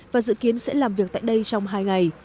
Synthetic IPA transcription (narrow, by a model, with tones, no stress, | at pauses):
vaː˨˩zɨ̰˧˨ki˨˦ənsɛ̰˧˥laː˨˩mvi˨˩ək̚t̪a̰ː˧˨jɗə˧jt͡ɕɔ˧wŋ͡mɦaː˧jŋa˨˩j